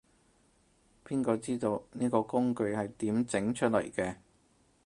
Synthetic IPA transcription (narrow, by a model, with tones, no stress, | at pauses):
pʰiː˥nkɔː˧t͡siː˥t̪o˧wniː˥kɔː˧kʊ˥ŋkɵ˧ɥhɐ˨jt̪iː˨˥mt͡sɪ˨˥ŋt͡ʃʰɵ˥t̚lɐ̰˨˩jkɛː˧